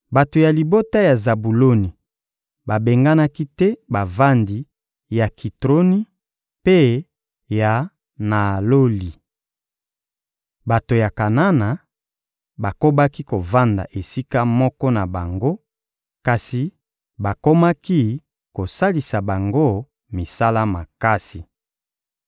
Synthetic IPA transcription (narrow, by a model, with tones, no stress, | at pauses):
ba˨to˨ja˨li˨bo˦ta˦ja˨za˨bu˨lo˦ni˨ | ba˨be˨ŋɡa˦na˦ki˦tɛ˦ba˨va˦ndi˨ | ja˨ki˨tʁo˦ni˦ | pe˦ | ja˨ | na˨lo˦li˨ | ba˨to˨ja˨ka˨na˦na˨ | ba˨ko˦ba˦ki˦ko˨va˦nda̰˨ʔe˨si˦ka˦mɔ˦kɔ˦na˨ba˨ŋɡo˦ | ka˨si˨ | ba˨ko˦ma˦ki˦ | ko˨sa˦li˨sa˨ba˨ŋɡo˦˨ | mi˨sa˦la˦ma˨ka˦si˨